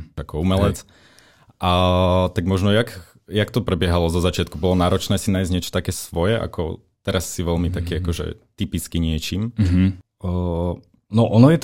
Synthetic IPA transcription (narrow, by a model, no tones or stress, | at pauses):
akɔumɛlɛt͡s | ʔat̪aɡmɔʒnɔjak | jakt̪ɔpɾɛbɪɛɦalɔzɔzat͡ʃɪat̪kubɔlɔnaːɾɔt͡ʃnɛːsinaːjzɲɪɛt͡ʃɔ̥t̪akɛːsʋɔjɛʔa̰kɔ | t̪ɛɾasːiʋɛlmit̪akiːakɔʒɛ̰t̪ipit͡skiɲɪɛt͡ʃimɦ | nɔʔɔnɔjɛt̪